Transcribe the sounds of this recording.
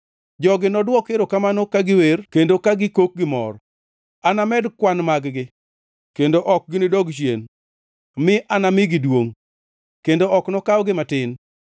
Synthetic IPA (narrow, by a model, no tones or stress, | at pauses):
d͡ʒɔɡɪnɔdwɔkeɾokamanokaɡɪwerkendokaɡɪkok̚ɡɪmɔ̰r | anamɛdkwanmaɡɡɪ | kendoʔɔk̚ɡɪnɪdɔɡʃjen | mɪʔanamɪɡɪdwoŋ | kendoɔknɔkawɡɪmatɪn